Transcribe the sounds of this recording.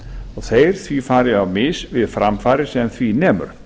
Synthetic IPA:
ɔɣθeːjɾ̥θvifaːɾɪavmɪsvɪðfɾamfaːɾɪsɛmθvinɛːmʏ̰ɾ̥

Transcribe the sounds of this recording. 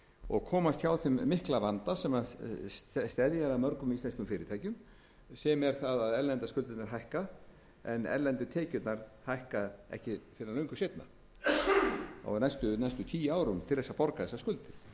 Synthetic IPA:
ɔ̰ɣkʰɔːmast̪çawθʏmːɪhklavant̪asɛmað | st̪ɛðjaɾamœɾkʏmist̪ɛnskʏmfɪːɾɪt̪ʰaːjcʏm | sɛmɛɾ̥θaðaðɛɾlɛnt̪askʏlt̪ɪt̪naɾɦajhka | ɛnɛ̰ɾlɛnt̪ʏt̪ʰɛːcʏt̪naɾhajhkaɛ̰hcɪfɪɾnalœɥŋkʏsejt̪na̰ | ɔ̰ɣnajst̪ʏnajst̪ʏt̪ʰiːjaːwɾʏmt̪ʰɪlθɛsːapɔɾkaðɛsaskʏlt̪ɪ

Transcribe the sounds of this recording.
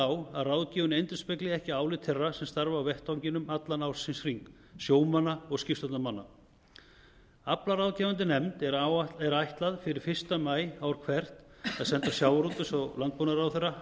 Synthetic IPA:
awaðraːwðciːvʏnejnt̪ɪspɛklɪɛhcɪaːwlɪt̪ʰɛrːasɛmst̪aɾvaːwvɛht̪awɲcɪnʏmat̪lanawsɪnsriŋk | sjoːwmanːaɔɣscɪft̪ɔt̪namanːa | aplaɾawðcɛːvant̪ɪnɛmt̪ɛɾajht̪laðfɪɾɪɾ̥fɪr̥st̪amaːjawɾ̥kʰvɛr̥t̪aðsɛnt̪asjaːwɾut̪ʏsɔɣlant̪̚ponaɾawθɪra

